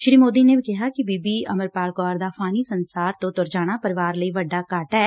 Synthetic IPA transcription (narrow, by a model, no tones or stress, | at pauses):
ʃɾiːmoːd̪inebʱikɪɦakibiːbiɐməɾpaːɾkɔːɾd̪afʰaːnisɐnsaːɾt̪õt̪oɾd͡ʒaːɽ̃apɐɾɪʋaːɾlɐiʋɐɖːakaːʈaɛ